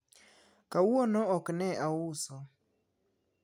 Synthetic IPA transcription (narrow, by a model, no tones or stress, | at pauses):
kawɔnɔɔknɛʔaʊsɔ